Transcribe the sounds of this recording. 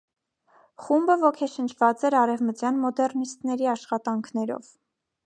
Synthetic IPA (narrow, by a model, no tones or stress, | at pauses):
χumbəvɔkʰɛʃənt͡ʃʰv̥ɑt͡sɛɾɑɾɛvmət͡sjɑnmɔd̪ɛɾnist̪nɛɾiɑʃχɑt̪ɑŋkʰnɛɾɔ̰v̥